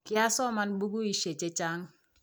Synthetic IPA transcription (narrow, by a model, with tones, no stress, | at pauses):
kɪ˦a˦sɔ˦ma˨nbu˦ɡu˦i˨ʃe˨t͡ʃe˦t͡ʃa˦ŋ